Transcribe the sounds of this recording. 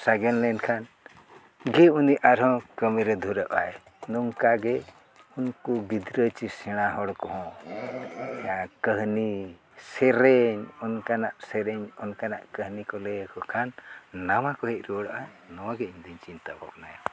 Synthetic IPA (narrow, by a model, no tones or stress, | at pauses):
saɡɛnlɛnkʰan | ɡɛuniʔaɾɦɔ̃kəmiɾɛd̪ʱuɾəʔa̰ɛ | nuŋkaɡɛ | unkubid̪ɾət͡ʃisɛɽ̃aɦɔɽkɔɦɔ̃ | ɛãkəɦni | sɛɾɛɲɔnkanaʔsɛɾɛɲɔnkana̰ʔkəɦnikɔlɛkɔkʰanːamakɔɦɛc̪̚ɾuɔɽaʔa | nɔwaɡɛiɲd̪iɲt͡ʃint̪abʱɔ̰k̚najɔ